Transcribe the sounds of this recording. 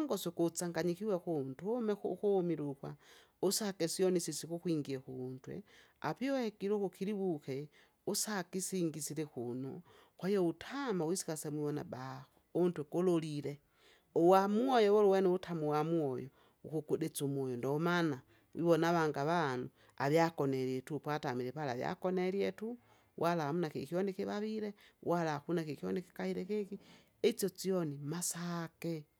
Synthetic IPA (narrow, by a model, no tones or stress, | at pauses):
ŋɡosokut͡saŋɡaɲixiwexuntumexxumiɾukwa | usakesionisisixuxwiːŋɡiexuntwḛ | a̰piohekiɾuxukiliβuxe | usakisiŋɡisilexuno̰xwejoutʰamawisi̥xasemwiβona̰ɓaxountwekololile | owamuojowoluweneutʰamuwamwojo | ukukuɗet͡sumwojondoːmana | wʔḭβonaβaŋɡaβanu | a̰βjakoneɾjetupwatamiɾepalaβja̰koneljetu | wʔalahamunakekionekiβaβiɾewalaxunakekioneki̥kahiɾekeki | et͡sjot͡sionimasake